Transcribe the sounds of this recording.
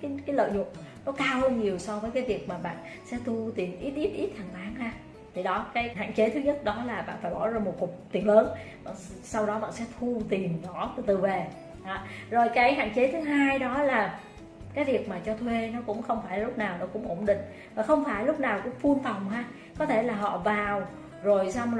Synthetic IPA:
kaː˨˦jkaː˨˦jlə̰ː˧˨jɲʊ̰˧˨ənkɔ˨˦kaː˧wɲi˨˩əwsɔ˧vəː˨˦jkaː˨˦jvi˨˩ək̚maː˨˩ɓa̰ː˧˨n | sɛ̰˧˥t̪u˧t̪i˨˩ənʔi˦˥t̚ʔi˦˥t̚ʔi˦˥t̚t̪ʰa˨˩ŋt̪aː˨˦ŋhaː˧ | t̪ʰi˨˩ɗɔ˨˦kaː˨˦jɦa̰ː˧˨nt͡ɕe˨˦t̪ʰɨ˨˦ɲə˦˥t̚ɗɔ˨˦laː˨˩ɓa̰ː˧˨nfaː˧˩jɓɔ˧˩zaː˧mo˨˩t̚ku˨˩k͡p̚t̪i˨˩ənləː˨˦nɓa̰ː˧˨nsa˧wɗɔ˨˦ɓa̰ː˧˨nsɛ̰˧˥t̪ʰu˧t̪i˨˩ənzɔ˧˨˩t̪ɨ̰˧˨˩t̪ɨ˨˩ve˨˩ | ʔɔ˨˦zo˨˩jkaː˨˦jɦa̰ː˧˨ŋt͡ɕe˨˦t̪ʰɨ˨˦ɦaː˧jɗɔ˨˦laː˨˩ | kaː˨˦jvi˨˩ək̚maː˨˩t͡ɕɔ˧t̪ʰwe˧nɔ˨˦kʊ̰˧˥ŋ͡mxə˧wŋ͡mfaː˧˩jla˨˩lʊ˦˥k͡p̚naː˨˩wnɔ˨˦kʊ̰˧˥ŋ͡mʔo̰˧˩ŋ͡mɗḭ˧˨ŋ̟ | vaː˨˩xə˧wŋ͡mfaː˧˩jlʊ˦˥k͡p̚naː˨˩wkʊ̰˧˥ŋ͡mfu˧ənfa˨˩wŋ͡mhaː˧ | kɔ˨˦t̪ʰe˧˩laː˨˩ɦɔ̰˧˨vaː˨˩w | zo˨˩jsa˧wŋ͡m

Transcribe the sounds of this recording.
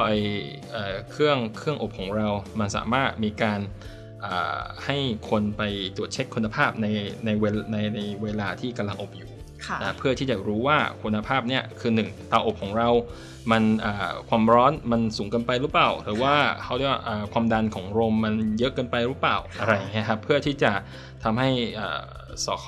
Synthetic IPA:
ʔaː˨˧˩ | ʔəː˨˩kʰɯ˥˩əŋkʰɯ˥˩əŋʔo˨˩p̚kʰɔː˩˦ŋɾa˧wma˧nsa̰ː˩˦maː˥˩t̪̚miː˧kaː˧n | ʔaː˨˩ha˥˩jkʰo˧npa˧jt̪ɾu˨˩ət̪̚t͡ɕʰe˦˥kʰːu˧nːa˧pʰaː˥˩p̚na˧jna˧jweː˧na˧jna˧jweː˧laː˧t̪ʰiː˥˩ka˧mla˧ŋʔo˨˩p̚juː˨˩ | kʰna˦˩pʰɯ˥˩ət̪ʰiː˥˩t͡ɕa˨˩ɾuː˦˥waː˥˩kʰu˧nːa˧pʰaː˥˩p̚ni˦˥˩ɐkʰɯː˧nɯ˨˩ŋt̪aː˧ʔo˨˩p̚kʰɔː˩˦ŋɾa˧w | ma˧nʔə̰ː˨˩kʰwaː˧mɾɔː˦˥nma˧nsuː˩˦ŋkɤː˧npa˧jɾɯː˦˥plaː˨˩wɾɯː˩˦waː˥˩kʰa˦˥wda˥˩wa˥˩ʔəː˨˩kʰwaː˧mda˧nkʰɔː˩˦ŋɾoː˧mːa˧njɤ˦˥ʔkɤː˧npa˧jɾɯː˦˥paː˨˩wʔa˧ɾa˧ja˨˩ŋːi˦˥ɐ˧kʰa˦˥pʰːɯ˥˩ɐt̪ʰiː˥˩t͡ɕa˨˩ | t̪ʰa˧mɦa˥˩jʔə̰ː˨˩ | sɔ̰ː˨˩˦kʰ

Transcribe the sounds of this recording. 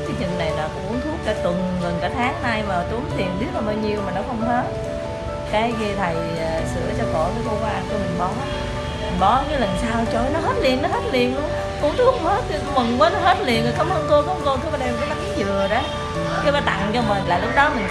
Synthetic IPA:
t͡ɕi˧ŋt͡ɕï˨˩ŋ̟na˨˩jlaː˨˩kʔu˧˦əŋt̪ʰu˦˥ək̚ɗaː˨˦t̪ɨ˨˩ŋɣə˨˩nkaː˨˦t̪ʰaː˦˥k̚haː˧jmaː˨˩t̪u˨˦ŋt̪ʰi˨˩ənɓi˦˥ək̚la˨˩ɓaː˧wɲi˧əwmaː˨˩nɔ˨˦xə˧wŋ͡mt̪ʰəː˨˦ | kaː˨˦jɣi˧t̪ʰə˨˩j | sɨ̰˧˩˨ət͡ɕɔ˧kɔ˧˩˦kaː˨˦ko˧kwaː˧ku˧˦mï˨˩ŋ̟ɓɔ˨˦ | mi˨˩ŋ̟ɓɔ˨˦ɲa˨˧˦lə˨˩nsaː˧wt͡ɕo˧˩jnɔ˨˦ɦəː˦˥t̚li˨˩ənːɔ˨˦ɦə˦˥t̚li˨˩ənlu˧əŋ | kṵ˧˥əŋt̪ʰu˦˥ək̚ŋ͡mhə˦˥t̚i˧˩˨mə˨˩ŋwəː˨˦nɔ˨˦ɦə˦˥t̚li˨˩ənkəː˨˩jka˨˦mʔə˨˧˦nko˧kɔ˧˦ŋko˧˨˦ɓaː˨˧˦ɗɛ˧mkːma˨˦kːzɨ˨˩əɗə˨˦˨ | kʰəː˨˦ɓaː˨˦t̪a̰˧˨ŋt͡ɕɔ˧mï˨˩laː˨˩lʊ˦˥k͡p̚ɗɔ˨˦mï˨˩ŋ̟

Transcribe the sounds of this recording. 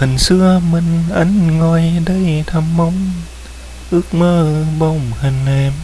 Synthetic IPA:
ɯ˧˩˨nsɯ˧əmɯ˧˥˨nʔa˧˥˨nŋɔː˧jda˧˩˨jt̪ʰa˧˥mːɔ˧˥˨ŋ | ʔɯ˧˦k̚mɤː˧˩˨bɔ˧˩mhʰa˧nɛː˧m

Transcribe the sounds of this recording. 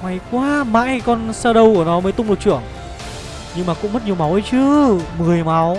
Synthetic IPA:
ŋa˨˩jkwaː˧˦ma̰ː˧˥jkɔ˧nsaː˧ɗə˧wku˧˩ənɔ˨˦məː˨˦jt̪ʊ˧ŋ͡mɗu˨˩t͡ɕɨ̰˧˩əŋ | ɲɨ˧ŋmaː˨˩kʊ̰˧˥ŋ͡mmə˦˥t̚ɲi˨˩əma˨˦wʔə˧˦jt͡ɕɨ˧˦mɨ˨˩əjma˨˦w

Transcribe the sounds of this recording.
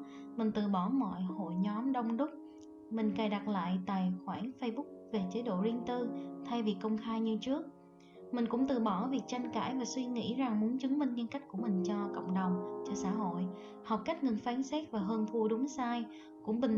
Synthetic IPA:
mï˨˩ŋ̟t̪ɨ̰˧˩ɓɔ˧˩mɔ̰˧˨jho̰˧˨jɲɔ˨˦mɗə˧wŋ͡mɗʊ˦˥k͡p̚ | mï˨˩ŋ̟kaː˨˩jɗa˨˩t̚la̰ː˧˨jt̪a̰ː˧˨jxwaː˧˩nfə˧jɓʊ˦˥k̚ve˨˩t͡ɕe˨˦ɗo̰˧˨zi˧ənt̪ɨ˧t̪ʰa˧jvi˨˩kːə˧wŋ͡mxaː˧jɲɨ˧t͡ɕɨ˦˥ək̚ | mï˨˩ŋ̟kʊ̰˧˥ŋ͡mt̪ɨ̰˧˨˩ɓɔ˧˩vi˨˩ək̚t͡ɕa˧jŋ̟ka̰ː˧˩jvaː˨˩swi˧ŋḭ˧˥za˨˩ŋmu˨˦ənt͡ɕɨ˨˦ŋmï˧ŋ̟ɲɨ˧nka˦˥k̟̚ku˧˩əmï˨˩ŋ̟t͡ɕɔ˧kə̰˧˨wŋ͡mɗə˨˩wŋ͡mt͡ɕɔ˧sa̰ː˧˥ɦo̰˧˨j | ha˨˩wk͡p̚ka˦˥k̟̚ŋɨ˨˩nfaː˨˦nsɛ˦˥t̚vaː˨˩ɦəː˧nfu˧ɗʊ˨˦ŋ͡msaː˧j | kʊ̰˧˥ŋ͡mɓï˨˩ŋ

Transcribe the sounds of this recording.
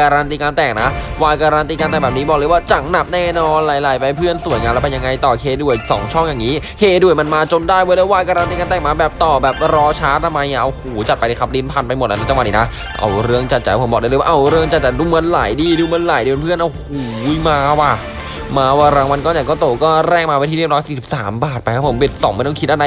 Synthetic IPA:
kaː˧ɾaː˧nt̪iː˧kaː˧nt̪ɛː˨˩ŋ̚na˦˥ʔwaː˧jkaː˧ɾaː˧nt̪iː˧kaː˧nt̪ɛː˨˩bɛː˨˩pniː˦bɔː˨˩k̚lɤ˧˦waː˥˩t͡ɕa˨˩ŋ̚na˨˩p̚nɛː˥˩nɔː˧nlaː˨˦jlaː˨˩˦jpa˧jpʰɯ˥˩ənsu˨˩˦jŋaː˧lːpe˧nja˧ŋa˧jt̪ɔː˨˩kʰeː˧du˨˩əjsɔ̰ː˩˦ŋt͡ɕʰɔ˥˩ŋja˨˩ŋːiː˦˥kʰeː˧˩du˨˩əjma˧nmaː˧t͡ɕo˧ndaː˥˩jwoː˧˦lɛː˦˥˩waː˧jkaː˧ɾa˧nt̪iː˧kaː˧nt̪ɛː˨˩ŋ̚maː˧bɛː˨˩p̚t̪ɔː˨˩bɛː˨˩p̚ɾɔː˧˥t͡ɕʰaː˦˥t̪ʰa˧mːa˧ja˧˩ʔa˧whoː˨˩˦t͡ɕa˨˩t̪̚pa˧jda˧˩kʰpliː˦˥npʰa˧npa˧jm̚˨˩ʔa˧˥na˦˥t͡ɕa˧wa˨˩niː˧na˦˥ | ʔa̰˧wɾɯ˥˩əŋt͡ɕa˨˩t̪̚t͡ɕa˨˩jpʰo˩˦bɔː˨˩daː˥˩˧waː˧ʔwɾɯ˥˩əŋt͡ɕa˨˩t̪̚t͡ɕa˨˧˩jduː˧mɤ˧nlaː˩˦jdiː˧duː˧mɤː˧nlaː˨˦jdiː˧npʰɯ˥˩ənʔa˧whhuː˨˦jmaː˧wa˧˩ | maː˧waː˧˩ɾaː˧˦ŋwa˧nkɔ˥˩ɲa˨˩jkɔː˥˩t̪oː˧˩kɔː˥˩ɾɛː˥˩ŋmaː˧wa˧˩t̪ʰi˧˦i˥˩˨ɾɔː˦˥siː˨˩si˨˩psaː˩˦mbaː˨˩t̪̚pa˧jkʰa˦˥pʰo˩˦mbe˨˩t̪̚sɔ˨˩˦ma˥˩jt̪ɔ˥ŋkʰt̚ʔa˧˩da˧j

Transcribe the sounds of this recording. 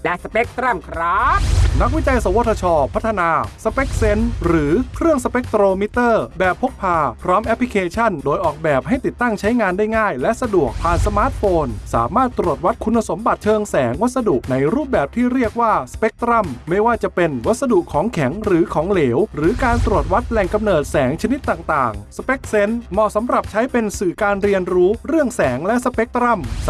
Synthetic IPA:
lɛ˦˥sa˧pe˦˥k̚t̪ɾa˥˩mkʰɾa˦˥na˦˥k̚wi˦˥t͡ɕa˧jsa˨˦wo˧˥˩t̪ʰːa˧t͡ɕʰɔː˧pʰa˦˥t̪ʰːa˧naː˧sa˧pe˦˥k̚se˦˥nɾɯː˩˦kʰɾɯ˥˩əŋsa˧pe˦˥k̚t̪ɾoː˧mi˦˥t̪ɤː˥˩bɛː˨˩pʰːo˦˥k̚pʰaː˧pʰɾɔː˦˥mʔɛ˦˥pʰːli˧kʰeː˧t͡ɕʰa˥˩ndoː˧jʔɔː˨˩k̚bɛː˨˩p̚ha˥˩jt̪i˨˩t̪ːa˥˩ŋt͡ɕʰa˦˥jŋaː˧ndaː˥˩jŋaː˥˩jlɛ˦˥ʔsa˧du˨˩ək̚pʰaː˨˩nsa˧maː˦˥t̪̚foː˧nsa̰ː˩˦maː˥˩t̪ːɾu˨˩ət̪̚wa˦˥t̪̚kʰu˧nːa˧so˩˦mba˨˩t̪̚t͡ɕʰɤː˧ŋsɛː˩˦ŋwa˦˥t̪̚sa˧du˨˩ʔ̚na˧jɾuː˥˩p̚bɛː˨˩p̚t̪ʰiː˥˩ɾi˥˩ək̚waː˥˩sḁ˧pe˦˥k̚t̪ɾa˥˩mːa˥˩jwaː˥˩t͡ɕa˨˩pe˧nwa˦˥sa˧du˨˩kʰːɔː˩˦ŋkʰɛ˩˦ŋɾɯː˩˦kʰɔː˩˦ŋleː˩˦wɾɯː˩˦kaː˧nt̪ɾu˨˩ət̪̚wa˦˥t̪̚lɛ˨˩ŋka˧mnɤː˨˩t̪̚sɛː˩˦ŋt͡ɕʰa˧ni˦˥t̪ːaː˨˩ŋt̪aː˨˩ŋsa˧pe˦˥k̚se˦˥nmɔː˧˩sa˩˦mɾa˨˩p̚t͡ɕʰa˦˥jpe˧nsɯː˨˩kaː˧nɾi˧ənɾuː˦˥ɾɯ˥˩əŋsɛː˩˦ŋlɛ˦˥ʔsa˧pe˦˥k̚t̪ɾa˥˩m

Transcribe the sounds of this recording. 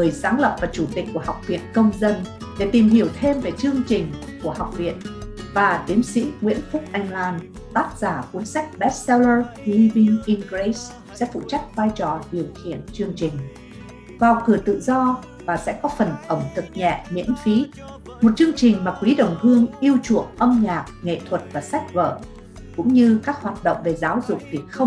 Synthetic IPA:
ŋɨ˨˩jsaː˨˦ŋlə̰˨˩p̚vaː˨˩t͡ɕu˧˩t̪ï˨˩k̟̚kːu˧˩əha˨˩wk͡p̚vḭ˧˨ənkə˧wŋ͡mzə˧nɗe˧˩t̪i˨˩mhi˧˩əwt̪ʰe˧mve˨˩t͡ɕɨ˧əŋt͡ɕï˨˩ŋ̟ku˧˩əha˨˩wk͡p̚vḭ˧˨ənvaː˨˩t̪i˨˦əmsḭ˧˥ŋwḭ˧˥ənfʊ˦˥k͡p̚ʔa˧jŋ̟laː˧n | t̪aː˦˥t̚z̥aː˧˩ku˨˦ənsa˦˥jk̚ɓɛ˦˥t̚sɛ˧lə˧hi˧vi˧ŋʔi˧nɡɾe˨˦s | sɛ̰˧˥fṵ˧˨t͡ɕa˦˥k̟̚vaː˧jt͡ɕɔ˨˩ɗi˨˩əwxḭ˧˨ənt͡ɕɨ˧əŋt͡ɕï˨˩ŋ̟ | vaː˨˩wkɨ˨˧˩ət̪ɨ̰˧˨zɔ˧ | vaː˨˩sɛ̰˧˥kɔ˨˦fə˨˩nʔə˧˩ŋ͡mt̪ʰɨ˨˩k̚ɲɛ̰˧˨mḭ˧˥ənfi˨˦ | mo˨˩t̚t͡ɕɨ˧əŋt͡ɕï˨˩ŋ̟maː˨˩kwi˨˦ɗə̰˨˩wŋ͡mhɨ˧əŋʔi˧əwt͡ɕṵ˧˨əŋʔə˧mɲaː˨˩k̚ŋḛ˧˨t̪ʰwə˨˩t̚vaː˨˩sa˦˥jk̟̚və̰ː˧˨ | kʊ̰˧˥ŋ͡mɲɨ˧kaː˦˥k̚hwaː˨˩t̚ɗə̰˧˨ŋ͡mve˨˩zaː˨˦wzʊ̰˨˩k͡p̚t̪ʰi˨˩əxə˧ŋ͡m

